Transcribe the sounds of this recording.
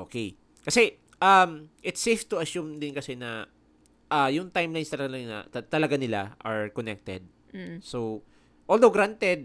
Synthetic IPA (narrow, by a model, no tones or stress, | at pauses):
ʔoːkej | kɐsɛ | ʔɐmʔɪt̪seft̪ʊɐsumd̪ɪnkɐsɛnɐ | ʔajʊŋt̪ajmlajnst̪ɐlɐɡanɐ̰t̪ɐt̪ɐlɐɡanɪla̰ʔɐɹkonɛk̚t̪ɛ̰d̪̩̚ | sow | ʔold̪owɡɾant̪ɛd̪̚